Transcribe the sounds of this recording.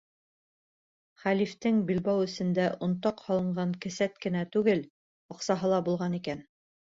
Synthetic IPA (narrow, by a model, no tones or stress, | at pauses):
χælift̪ɘŋbilbæwɵ̆sɘ̆nd̪æʔŏnt̪ɑqhɑlˠɤ̆ɴɢɑŋkɘ̆sæt̪kɘ̆næt̪ʉɡɘl | ŏqsɑɦɤlˠɑbulˠʁɑnikæn